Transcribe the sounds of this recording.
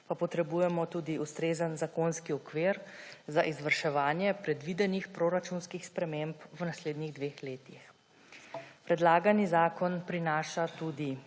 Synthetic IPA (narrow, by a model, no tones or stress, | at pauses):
papɔt̪ɾɛbujɛmɔt̪uːd̪iʔust̪ɾeːzənzakonskiɔkʋeːɾzaʔizʋəɾʃɛʋaːnjɛpɾɛd̪ʋid̪ɛnixpɾoːɾat͡ʃunskixspɾɛmempwnasleːd̪niɣd̪ʋeːxleːt̪ix | pɾɛd̪laːɡanizaːkɔnpɾinaːʃat̪uːd̪i